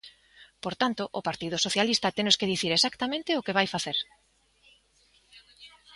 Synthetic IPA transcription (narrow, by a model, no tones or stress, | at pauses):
poɾt̪ant̪oʔopaɾt̪ið̞ʊsoθjalist̪at̪enoskeðiθiɾesakt̪amẽnt̪ɪokeβajfaθeɾ